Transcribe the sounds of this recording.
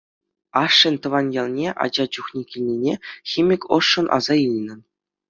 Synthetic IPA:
ɑʂːɘ̆nʲt̪ɤ̆ʋɑnjɑlˠnʲeʔɑ̰d͡ʑɑt͡ɕuχnʲikʲilʲnʲinʲexʲimʲikʲɤ̰̆ʂːɤ̆nʔɑ̰zɑɯlʲnʲɤ̆

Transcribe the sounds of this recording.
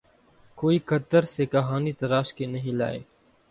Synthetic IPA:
koːiːkət̪əɾseːkəɦaːniːt̪əɾaːʃkeːnəɦĩːla̰ːḛː

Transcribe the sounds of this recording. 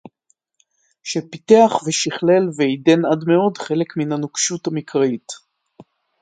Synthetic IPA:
ʃepiteaχveʃiχle̞lveidenadme̞o̞dχe̞lekminanukʃutamikʁait

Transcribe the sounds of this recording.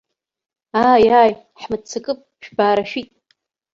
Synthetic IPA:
aːjaj | ħmɨt͡sʰɨkʼɨpʼ | ʃᶣbaːɾaʃᶣitʼ

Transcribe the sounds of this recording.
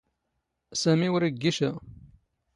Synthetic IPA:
sæmiwɾəɡːiʃæ

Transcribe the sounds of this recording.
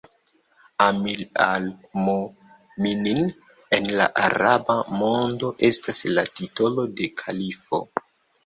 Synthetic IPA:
amilalmo | minin | e̞nla̰ʔaɾabamo̞ndo̞ʔe̞staslatito̞lo̞de̞kʰalifo̞̰

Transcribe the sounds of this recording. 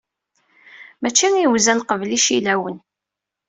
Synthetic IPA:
mæt͡ʃːiŋiwzælqəvliʃilæwən

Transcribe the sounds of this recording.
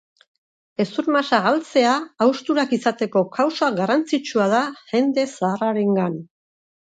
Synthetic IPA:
e̞suɾmasaɣalt͡se̞aːwst̪uɾakisat̪e̞ko̞kʰawsaɣarant͡sit͡ʃuað̞aʝe̞nd̪e̞saːraɾe̞ŋɡan

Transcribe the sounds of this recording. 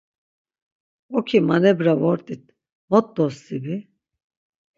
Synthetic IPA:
ɔkʰimanɛbɾavɔɾt̪ʼit̪̚ | mɔt̪̚d̪ɔsibi

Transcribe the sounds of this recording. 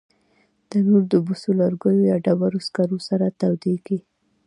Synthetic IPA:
d̪̥ənuɾd̪əbʊsulaɾɡəjojaɖabaɾoskaɾosaɾat̪awd̪eɡi

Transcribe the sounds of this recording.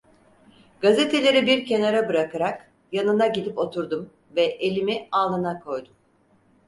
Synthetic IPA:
ɡ̥aze̞t̪ʰe̞lʲe̞ɾibiɾcʰe̞naɾabɯɾakaɾak | janɯnaɟid̪ipo̞t̪ʰuɾd̪um | vɛʔelʲimialˠɯnakʰo̞jd̪um

